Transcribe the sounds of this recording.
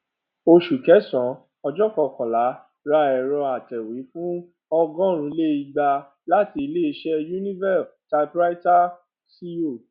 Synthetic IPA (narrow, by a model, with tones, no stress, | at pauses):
o˧ʃu˨kɛ˨˦sɔ̃˨˦ | ɔ˧d͡ʒɔ˦kɔ˨kɔ̃˨la˨˦ | ɾa˧ɛ˨ɾɔ˧a˨tɛ˨wi˨˦fũ˦ | ɔ˧ɡɔ̃˦ɾ̃ũ˨˦le˦i˧ɡ͡ba˧ | la˦ti˧le˦i˧ʃɛ˦ju˦nĩ˦vɛ˦˨sta˧pɾa˦i˦ta˦ | si˧o˦˨